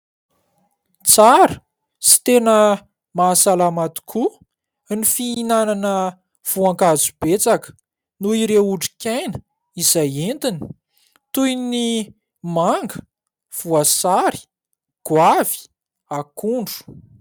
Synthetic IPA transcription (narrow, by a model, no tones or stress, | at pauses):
t͡saɾə | si̥t̪enə | masalamat̪u̥kʰu | nifiinananə | v̥uaŋkazub̥et͡sakə̥ | nuiɾeuɖ͡ʐi̥kʲajnə̥ | izajent̪ini̥ | t̪ujni | maŋɡə | v̥uasaɾi̥ | ɡ̥wavi̥ | akuɳɖ͡ʐu̥